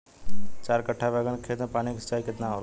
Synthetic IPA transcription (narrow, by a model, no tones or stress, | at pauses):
t͡ʃaːɾkəʈʰːabɛɡənkʰet̪npaːniksət͡ʃaːjkɪt̪naoɾ